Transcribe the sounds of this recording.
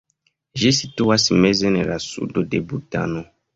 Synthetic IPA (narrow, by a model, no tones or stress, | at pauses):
ʒesituwasimɛzɛnɛɾasṵdodebuta̰nɔ